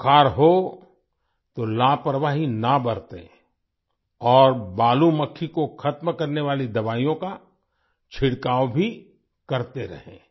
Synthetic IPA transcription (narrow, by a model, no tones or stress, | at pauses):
kʰaːɾɦo | t̪olaːpɾʋaːɦinabɐɾt̪ḛ̃ | ɔːɾbaːlumɐkʰːikoxʰɐt̪mkɐɾneʋaːlid̪ɐʋaːijõka | t͡ʃʰɪɽkaːʋbʱi | kɐɾt̪eɾɐ̰ɦḛ̃ː